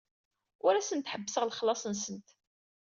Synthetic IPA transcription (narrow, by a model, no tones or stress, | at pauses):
ʊɾæsənt̪ħəbːəsəʁlχəlːɑsˤənsənt̪